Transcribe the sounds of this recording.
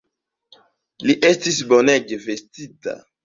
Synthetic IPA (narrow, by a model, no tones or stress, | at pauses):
liʔestisboneɡeve̞stita̰